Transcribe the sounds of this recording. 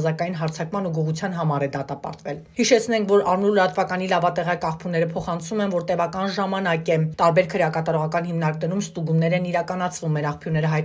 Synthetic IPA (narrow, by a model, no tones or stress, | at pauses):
zɑkɑjin̪ɦɑɾt͡sʰɑkmɑnuɡuʁut͡sʰjɑnɦɑmɑɾɛd̪ɑt̪ɑpɑ̰ɾt̪vɛlhiʃɛt͡sʰn̪ɛŋkʰvɔɾɑɾnulːəɾɑt̪vɑkɑnilɑvɑt̪ɛʁɑkɑχpʰunːɛɾəpʰɔχɑnt͡sʰumɛnvɔɾt̪ɛvɑkɑnʒɑmɑnɑkɛt̪ɑɾbɛɾkʰəɾjɑkɑt̪ɑɾɔʁɑkɑnhimnɑɾknɛɾumst̪uɡunːɛɾɛniɾɑkɑnɑt͡sʰvumːɛɾɑχpʰjunɛɾəɦɑjt̪